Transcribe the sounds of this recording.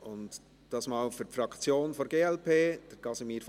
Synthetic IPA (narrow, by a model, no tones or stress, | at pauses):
ʊnt | d̥ɑsmɑːlfyɾpfɾɑkʰt͡sjoːnfoɾɡeːɛlpeːd̥əɾɡ̥ɑsɪmiːɾf